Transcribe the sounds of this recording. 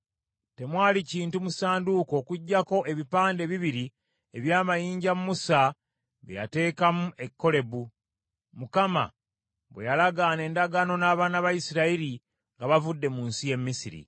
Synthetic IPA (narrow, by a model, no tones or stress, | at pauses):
te̞mwaːliciːntumusaːnduko̞ːkuɟːako̞ʔe̞βipaːnde̞βiβiɾi | e̞βjaːmajiːɲɟamumusa | βḭja̰te̞ːkamuʔe̞kːo̞le̞βu | mukama̰ | βwe̞̰jalaɡane̞ːndaɡano̞naːβaːnaβajisiɾaiɾi | ŋɡaβavudːe̞muːnsije̞mːisiɾḭ